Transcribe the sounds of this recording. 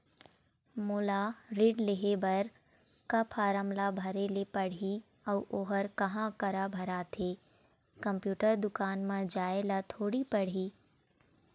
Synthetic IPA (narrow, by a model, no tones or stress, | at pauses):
mʊlaɾiɖleɦebɐɾ | kapʰaːɾəmlabʱɐɾeːlepɐɽ̤i | ɔʋʔoɦəɾkɐɦãkəɾabʱɐɾaːt̪ʰeː | kɐ̃mpjuːʈəɾd̪ʊkaːnmãd͡ʒaːelat̪ʰoːɽipɐɽ̤iː